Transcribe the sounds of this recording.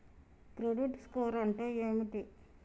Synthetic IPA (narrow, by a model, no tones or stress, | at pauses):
kɾoɽuʈskoːɾɐɳʈoeːmiʈi